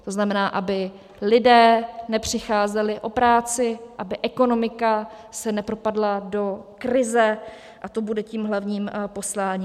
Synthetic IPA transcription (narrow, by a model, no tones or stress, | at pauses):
t̪o̞znamɛnaːʔabɪ | lɪdɛːnɛpr̝̥ɪxaːzɛlɪʔo̞pɾaːt͡sɪʔabɪʔɛkono̞mɪka | sɛnɛpɾo̞padlado̞kɾɪzɛ | ʔat̪o̞budɛciːmɦlavɲiːmpo̞slaːɲiːm